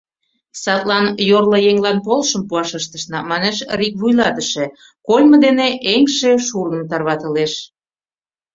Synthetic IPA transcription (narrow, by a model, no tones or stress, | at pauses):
sɑt̪lɑnjorlɤ̆jeŋlɑnpolʃəmpuɑʃəʃt̪əʃnɑmɑneʃrik̚βujlɑt̪əʃe | kolʲmə̆d̪eneʔeŋʃeʃurnəmt̪ɑrβɑt̪ə̆leʃ